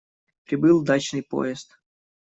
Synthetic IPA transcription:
pɾʲɪbɨlˠd̪at͡ɕnɨjpo̰ɪst̪

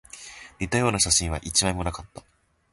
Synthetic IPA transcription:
ɾʲit̪ːajo̞ːnaɕaɕĩɰ̃β̞aʔit͡ɕimaimo̞nakat̪ːḁ

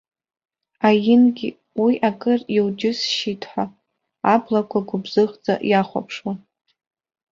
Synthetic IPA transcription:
ajɪnɡʲi | wiʔakʼɨriwd͡ʒɪsʃitʰħaː | blakʷʰaɡʷʊbzɨʁd͡za̰ʔjaχʷa̰pʰʂwa

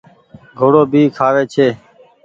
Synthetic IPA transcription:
ɡʱoːɽoːbʱiːkʰaːʋeːt͡ʃʰeː

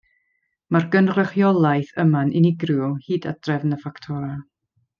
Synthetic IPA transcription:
marɡənrəχjɔlˠajθəmanʔɪnɪɡrjɔhiːda̰d̥rɛvnəfaktʰɔɾa

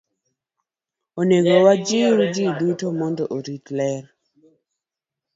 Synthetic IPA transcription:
oneɡowad͡ʒiɾud͡ʒidutomɔndɔʔoɾitlɛɾ

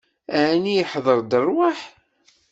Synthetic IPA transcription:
æʕnijəħðˤəɾˤd̪ərˤwaħ

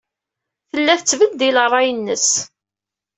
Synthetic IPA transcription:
θəlːæθət͡sːvəld̪ilrˤːɑjənːəs

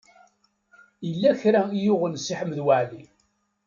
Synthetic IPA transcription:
jəlːæçɾæjʊʁənsiħəmðwaʕli

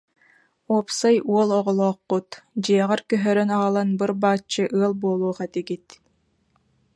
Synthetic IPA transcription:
uːpsajuɔlˠɔʁɔlˠɔːqːut̪d͡ʑiɛʁaɾkœɦœɾœnaalˠanbɯɾbaːt͡ʃːɯʔɯɐlˠbuɔlˠuːχat̪iɡit̪

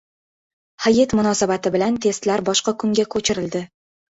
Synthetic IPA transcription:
hajet̪mʊnɒsabat̪ʰɪbɪlant̪ʰe̞st̪laɾbɒʃqɑkʰʊŋɡʲakʰɵt͡ʃʰɪɾɪld̪ɪ

